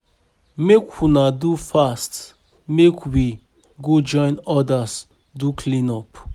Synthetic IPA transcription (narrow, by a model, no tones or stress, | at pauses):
mekwunadufast | mekwi | ɡod͡ʒɔ̃ɪ̃nɔdas | dukʰlĩnɔp